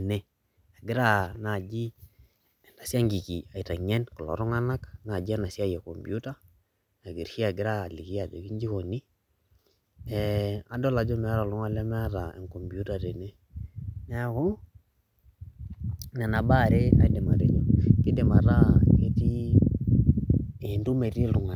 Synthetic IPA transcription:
ne˦ | a˨ɡɪ˦ɾa˦na˨d͡ʒi˦˨ | nda˨si˦a˦ŋɡi˨ki˨a˨i˨ta˨ɲɛ˦nkɔ˨lɔ̰˨ɾɔ˦ŋa˦na˦kna˨d͡ʒi˦a˦na˨si˦a˦jɛ˨kɔ˨mbju˦ta˦ | na˨ɡi˨ɾhi˦a˨ɡɪ˦ɾa˦˨li˨ki˦a˨d͡ʒo˨ki˦ɲd͡ʒi˦ko˨ni˦ | ɛ˨a˨dɔ˦la˨d͡ʒɔ˦mɛ˨˦ɾa˨lu˦ŋa˦lɛ˦mɛ˦ɾa˨ɛ̰˨ŋkɔ˨mbju˦ta˨ɾe˨ne˦ | nɛ˦kɔ˦ | na˨na˨ba˦˨ɾe˦a̰˦dɛ˨ma˨ɾe˨d͡ʒo˦ki˦dɛ˨ma˨ɾa˦ke˦ti˦ | e˨ndu˦me˨ɾi˦lu˨ŋa˨

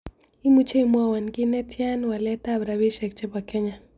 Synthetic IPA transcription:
i˦mut͡ʃe˦imuawa˨ŋɡi˦nɛ˦tʰja˦nwa˨lɛtabɾaβiʃɛk̚t͡ʃɛ˦ba˨kɛ˦ɲa

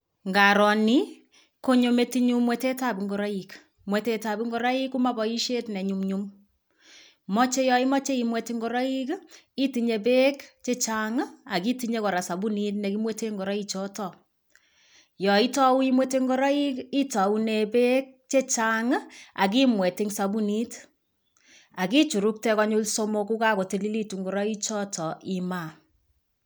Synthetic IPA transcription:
ŋɡa˨ɾɔ˨ni˦ | ko˦ɲo˨me˦ti˦ɲu˦mwe˨te˦ta˦˨bi˨ŋɡo˨ɾa˦i˨k | mwe˨te˨ta˨bi˦ŋɡɔ˦ɾa˦i˦ku˦ma˦bɔ˨i˦ʃe˦tnɛ˨ɲu˨mɲu˦m | mɔ˦t͡ʃe˦jɔ˦i˦mɔ˦t͡ʃe˦i˨mwe˨ti˦ŋɡo˦ɾa˦i˦ki˦ti˨ɲe˨be˦kt͡ʃe˦t͡ʃa˨ŋa˦a˨ki˦ti˧ɲe˦kɔ˨ɾa˨sa˨bu˦ni˦tnɛ˨ki˦mwe˦te˦ŋɡo˨ɾa˦i˦t͡ʃɔ˦tɔ˨ | jɔ˨i˦tɔ˦u˦i˦mwe˦te˦ŋɡɔ˦ɾɔ˦i˦ki˦ta˨u˦ne˨be˦k̚t͡ʃe˦t͡ʃa˦ŋ˦a˨k̬i˦mwɛ˨ti˦ŋsa˨bu˦ni˦t | a˨ki˦t͡ʃu˨ɾu˦k̚tɛ˦kɔ˦ɲu˦lso˦mo˧ku˦ka˦ko˨ti˨li˦li˦tu˨ŋɡo˨ɾɔ˦i˦t͡ʃɔ˦tɔ˨ʔi˨ma˨

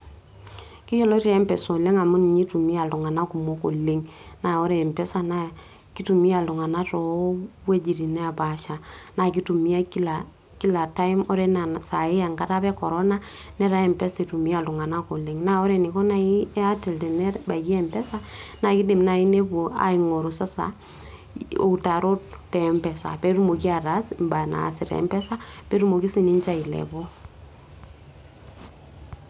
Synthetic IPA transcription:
ki˦ʃo˦lo˦ti˦ɛ˦mpɛ˨so˨le˦ŋa˨mu˦ni˨ɲi˦tu˨mi˦a˨lu˨ŋa˨na˦ku˨mo˦ko̰˨le˦ŋna˨o˦ɾe˨mpɛ˦sa˨na˦ | ki˦tu˨mi˦a˨lu˨ŋa˨na˦tɔ˨˦we˦d͡ʒi˨ɾi˨ne˦a˨ba˨ʃa˨na˨k̬i˦tu˨mi˦a˦ki˦la˨ | ki˦la˨ta˦i˦mɔ˦ɾe˦na˨sa˨ɪ˦a˨ŋɡa˦ta˦pɛ˦kɔ˨ɾɔ˦na˦ | nɛ˦ɾa˦ɛ˨mpɛ˦si˨tu˨mi˦a˦˨lu˨ŋa˨na˦ko˨li˨ŋna˦ɔ˦ɾɛ˨ni˨kɔ˦na˦i˦a˦tɛ˨ltɛ˨nɛ˦ba˨jɛ˨mpɛ˦sa˦na˨kɪ˦dɪ˨mna˨i˦ne˦bo˨a̰˨i˨ŋo˨ɾo˨sa˦sa̰˨˦ | o̰˨ta˨ɾo˦ttɛ˨˦mpɛ˨sa̰˨pɛ˦ɾu˦mo˨ki˦a˨ɾa˨˦smba˨na̰˨si˨ɾɛ̰˦mbɛ˦sa˦pɛ˦ɾu˦mo˨ki˦si˦ni˦nt͡ʃa˦i˨lɛ̰˨bɔ˦

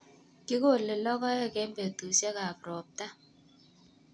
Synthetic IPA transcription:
kɪ˦ko˦˨lɪ˨lɔ˦kɔ˦jɔ˦˨kɛ˦mbe˨tu˨sɛ˦ka˨pɾɔ˨p̚ta˦

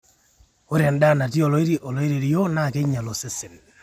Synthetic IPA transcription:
o˦ɾɛ˨nda˦˨na˨t̬i˦o˨lɔ˦i˦ɾi˦ʔo˨lɔ˦i˦ɾe˨ɾi˦jo˦na˦˨ke˦ɲa˨lo˨sɪ˦sɪ˨n

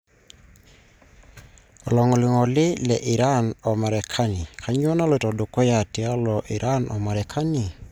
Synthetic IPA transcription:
ɔ˨lɔ˨ŋɔ˨lɪ˨ŋɔ˨lɪ˦lɛ˨ʔɪ˨ɾa˦nɔ˨ma˨ɾɛ˨kʰa˦nɪ˨kʰa˨˦ɲ˦ɔ˦na˦lɔ˨tɔ˨do˨kɔ˦ja˨ti˨a˦lɔ˨ʔi˨ɾʔa˦nɔ˨ma˨ɾɛ˨kʰa˦nɪ˨

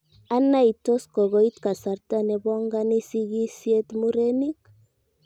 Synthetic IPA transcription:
a˦na˦i˨to˦skɔ˨ɣo˦i˦t̪ka˨sa˨ɾta˦nɛ˨bɔ˦ŋɡa˦ni˦si˦ɡi˦sje˦t̪mu˦ɾe˦ni˦k

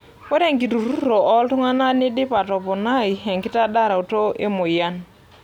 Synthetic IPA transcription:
wɛ˦ɾɛ˦˨ŋɡi˨tu˨ɾu˦ɾɔ˨ʔɔ˦ltʊ˦ŋa˦na˦nɪ˦dɪ˦pa˨tɔ˨pɔ˨na˦˨i˨ɛ˨ŋkɪ˦ta˦da˦˨ɾa˨u˨to˦ʔḛ˦mʊ˨ja˦n

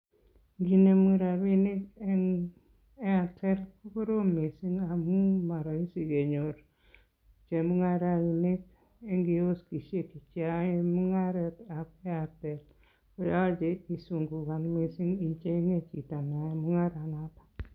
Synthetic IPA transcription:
ŋɡi˨ne˨mu˦ɾa˨βi˦nɪ˦kɛ˦ŋ | e˦a˨tɛ˦ɾku˦ko˦ɾo˦mi˨si˦ŋa˨mu˦ma˨ɾɔ˨i˦si˨ke˨ɲo˨ɾ | t͡ʃe˨mu˦ŋa˦ɾa˨ni˨nɪ˦k̚ | e˦ŋɡi˨o˦ski˨ʃe˦ki˨t͡ʃja˦e˦mu˦ŋa˦ɾɛ˦ta˨pɛ˦a˨tɛ˨t | ko˨ja˦d͡ʒe˨i˨su˨ŋɡu˨ka˨nmi˨si˦ŋi˨t͡ʃe˦i˦ŋe˦t͡ʃi˨ta˨na˨mu˦ŋa˦ɾa˨na˦tḁ˨

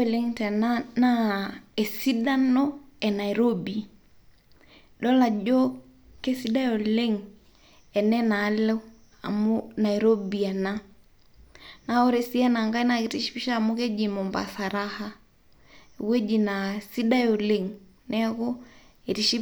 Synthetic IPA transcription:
e˨le˦ŋtɛ˨nana˦e˨si˦da˦nɔ˦ɛ˨na˨i˨ɾo˦bi˨ | ɗɔ˦la˨d͡ʒɔ˦ | ke˦si˦da˦jo˨le˦ŋ | ɛ˨nɛ˦na˨˦lɛ˦ | a̰˨muna˨iɾo˦bia˨na˦ | na˨o˦ɾe˨si˦a˦na˨ŋɡa˦i˦naki˨ti˦ʃi̥˦pi˦ʃaː˦˨mu˦ke˦d͡ʒi˨mɔ˨mba̰˨sa˨ɾa˦ha˦˨ | we˦d͡ʒi˨na˨si˦da˦jo˨le˦ŋ | nɛ˦ko˦ | e˨ɾi˦ʃi˦

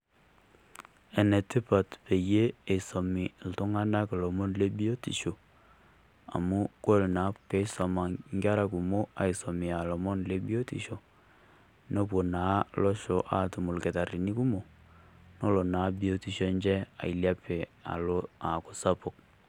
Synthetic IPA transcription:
ɛ˨ne˨tɪ˦pa˨tpe˨je˦e˨sɔ˨mi˨ltʊ˦ŋa˦na˦klɔ˨mo˦nle˦bi˦o˦tḭ˨ʃo˨ | a̰˨mu˦ko˦lna˨˦pe˦sɔ˨ma˨ŋɡja˦ɾa˦ku˨mo˦a˨i˨sɔ˨mi˨a˨lɔ˨mɔ˦nle˦bi˦o˦tḭ˨ʃo˨ | no˦p̬wo˨na˨˦lɔ˦ʃo˨ʔa̰˦tu˨mu˨lke˨ta˨ɾi˨ni˦ku˦mo˨ | nɔ˦lo˨na˨˦bi˦o˦ti˦ʃo˦nd͡ʒɛ˦a̰˨i˨lja˦pe˨a̰˨lo˦a˨kʊ˨sa˦po˨k̚

